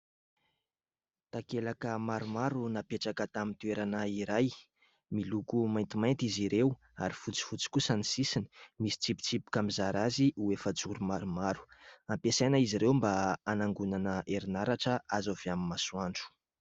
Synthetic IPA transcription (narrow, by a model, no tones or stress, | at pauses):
t̪akelakəmaɾumaɾunapeʈ͡ʂakət̪amint̪ueɾanaiɾaj | milukumajnt̪imajnt̪iziɾew | a̰ɾifut͡si̥fut͡si̥kusənisisini̥misi̥t͡sipu̥t͡sipu̥kamizaɾaziʔuefət͡suɾumaɾumaɾu̥ampesajnaiziɾewmbaanaŋɡunanəʔeɾinaɾaʈ͡ʂəazav̥eaminmasuaɳɖ͡ʐu̥